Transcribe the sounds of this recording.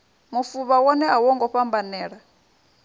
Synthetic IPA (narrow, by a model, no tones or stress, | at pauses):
mufuβawɔnɛawɔŋɡɔɸambanɛːɺa